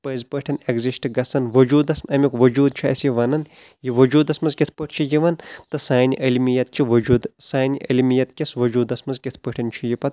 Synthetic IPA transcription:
pəːzpəʈʰɐneɡzisʈɨɡɐsɐnʋɐd͡ʒuːd̪ɐsmɐmʲikʋɐd͡ʒuːd̪̚t͡ʃʰiɐ̰sjiʋɐnɐn | jiʋɐd͡ʒuːd̪ɐsmɐnzkʲit̪ʰpəʈʰt͡ʃʰijiʋɐnt̪ɨsaːnʲiʔɐlmijɐt̪̚t͡ʃʰiʋɐd͡ʒuːd̪saːniʔɐ̰lmijɐt̪kʲɐsʋɐd͡ʒuːd̪ɐsmɐnzkʲit̪ʰpəʈʰɐnt͡ʃʰijipɐt̪

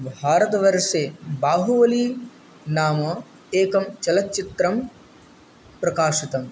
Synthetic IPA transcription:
bʱaːɾɐt̪ɐʋɐɾʂeːbaːɦuʋɐliː | naːmɐ | eːkɐmt͡ʃɐlɐt̪ːt͡ʃit̪ɾɐm | pɾɐkaːʂit̪ɐm

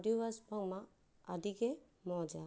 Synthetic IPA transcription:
duwasbaŋmaː | diɡɛ | mɔd͡ʒa

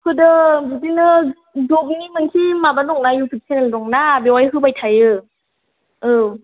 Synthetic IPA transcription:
hɯdɯbudinɯ | dɔbinimɯŋkʰimabadɔŋnajupʰik̚seneldɔŋnabewajɦɯbajtʰajɯ | ɯ

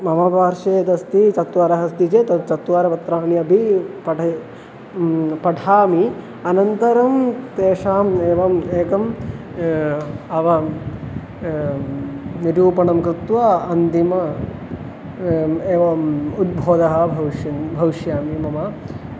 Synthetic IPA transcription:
mɐmɐpaːɾʂeːd̪ɐst̪it͡ʃɐt̪ʋaɾɐɦɐst̪it͡ʃeːt̪ɐt͡ʃɐt̪ʋaːɾɐpɐt̪ɾaːɳjɐbʱipɐʈɐ | pɐʈʰaːmi | ɐnɐnt̪ɐɾɐmt̪eːʃaːmeːʋɐmeːkɐm | ɐʋɐ | niɾjuːpɐɳɐmkɾɪt̪ʋɐɐnd̪imɐ | eːʋɐud̪̚bʱoːd̪ɐɦɐ̆bʱɐʋʃɐbʱɐʋiʃjaːmimɐmɐ

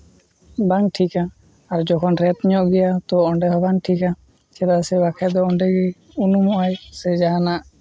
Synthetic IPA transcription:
baŋʈʰika | aɾd͡ʒɔkʰɔnɾɛt̪ɲɔʔɡɛjat̪ɔːɳɖɛɦɔbaŋʈʰika | t͡ʃɛɾasɛbakʰɛd̪ɔɔɳɖɛɡɛ | unumɔʔajsɛd͡ʒaɦanaʔ

